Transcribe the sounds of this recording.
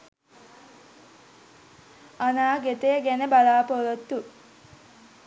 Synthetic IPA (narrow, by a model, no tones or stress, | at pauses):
anaːɡet̪əjəɡænəbalaːpolot̪ːu